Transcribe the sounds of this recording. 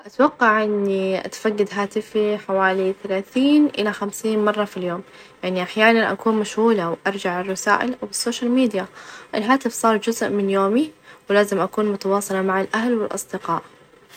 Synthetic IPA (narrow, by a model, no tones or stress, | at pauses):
ʔat̪wɑqːɑʕʔɪnːiʔa̰t̪faɡːad̪ɦaːt̪ɪfiħawaːliθalaːθiːnʔɪlaxamsiːnmɑrˤːɑfiljoːm | jaʕniʔaħjaːnanʔa̰kuːnmaʃhuːlawʔɑɾˤd͡ʒaʕɪrˤːɑsa̰ːʔɪlʔawɪsːoːʃalmiːd̪jaʔɪlɦaːt̪ɪfsˤɑːɾˤd͡ʒʊzʔmɪnjoːmiwɪlaːzɪmʔakuːnmʊt̪ɑwɑːsˤɑlɑmaʕalʔahlwɪlʔɑ̰sˤd̪ɪqɑːʔ